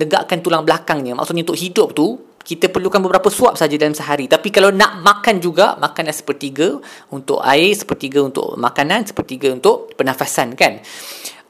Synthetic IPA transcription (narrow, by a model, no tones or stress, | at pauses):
nəɡa̰ʔkant̪ulaŋbəlakaŋɲə̃ma̰ksut̪̚ɲãunt̪ʊʔhidʊp̚t̪u | kit̪əpərlukanbəbəɾapəsuwap̚saad͡ʒadalamsəɦaɾit̪apikalawnaʔmãkand͡ʒuɡa̰makanlahsə̥pərt̪iɡəunt̪ʊ̰ʔa̰ɪrsə̥pərt̪iɡəunt̪ʊ̰ʔmakanãnsə̥pərt̪iɡəunt̪ʊʔ̚pənãfasankan